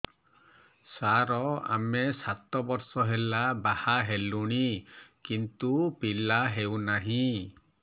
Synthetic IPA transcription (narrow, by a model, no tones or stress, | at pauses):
saɾɔa̰mesat̪ɔbɔɾsɔɦelabahaɦeluɽ̃ikint̪upilaɦewnaɦĩ